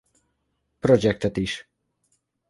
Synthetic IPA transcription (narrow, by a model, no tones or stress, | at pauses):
pɾɔd͡ʒɛk̚t̪ət̪iʃ